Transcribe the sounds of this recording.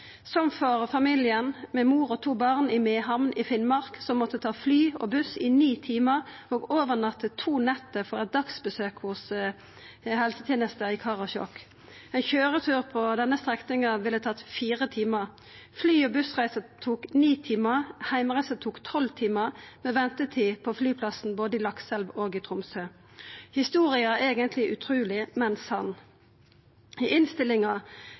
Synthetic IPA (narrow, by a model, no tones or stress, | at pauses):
sɔmfɔʁfɑmilɪənmɛmuːʁɔt̪ʰuːbɑʁnɪmeːɦɑmnʔɪfɪnmɑʁksɔmːɔt̪ːət̪ʰɑːflyːo̰bʉsɪniːt̪ʰiːməʁoːɡoːʋəʁnɑt̪ːət̪ʰuːnɛt̪ːəfɔʁɛt̪̚d̪ɑksbəsøːkhʊs | hɛlsət̪ʰɛːnəst̪əɪkʰɑːʁɑçɔ̰kː | ɛnçøːʁət̪ʰʉːʁpʰɔd̪ɛnːəst̪ʁɛknɪŋəʋɪlːət̪ʰɑt̪ːfiːʁət̪ʰiːməʁ | flyːɔbʉsʁæɪsət̪ʰuːkniːt̪ʰiːməhæɪmʁæɪsət̪ʰuːkt̪ʰɔlt̪ʰiːməʁmɛʋɛnt̪ət̪ʰiːpʰɔflyːpʰlɑsn̩boːd̪əɪlɑksɛlʋoːɡɪt̪ʰʁʊmsøː | hɪst̪uːʁɪəeːɡənt̪ʰlɪʔʉt̪ʰʁuːlɪmɛnsɑn | ɪʔɪnst̪ɪlɪŋɑ